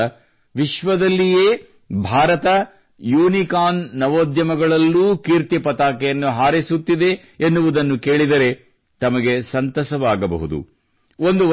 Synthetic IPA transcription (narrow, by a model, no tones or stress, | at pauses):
ɐ | ʋiʃʋɐd̪ɐlːijeː | bʱaːɾɐt̪ɐ | juːnikaːnːɐʋoːd̪jɐmɐɡɐɭɐlːuːkiɾt̪jɐpɐt̪aːkɛjɐnːuɦaːɾisut̪ːid̪e̞ː | nːuʋud̪ɐnːuke̞ːɭid̪ɐɾe̞ | t̪ɐmɐɡe̞sɐnt̪ɐsɐʋaːɡɐbɐ̰ɦud̪ṵ | o̞nd̪u